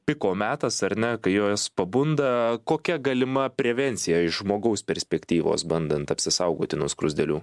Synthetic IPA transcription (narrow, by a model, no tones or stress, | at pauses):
pʲɪkoːmʲæːt̪ɐsɐɾnʲɛkɐɪjoːspɐbʊnd̪ɐkoːkʲɛɡɐlʲɪmɐpʲɾʲɛʋʲɛnʲsʲɪjɛɪʃʒmoːɡɐʊspʲɛɾʲsʲpʲɛkt̪ʲiːʋo̰ːsbɐnd̪ɐnt̪ɐpʲsʲɪsɐʊɡoːt̪ʲɪnʊskɾʊzʲd̪ʲɛlʲuː